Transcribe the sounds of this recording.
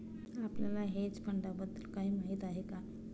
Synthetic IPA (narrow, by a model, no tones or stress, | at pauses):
apljalaɦed͡zpəɳɖabəd̪ːəlkaɦiːmaɦit̪aɦeka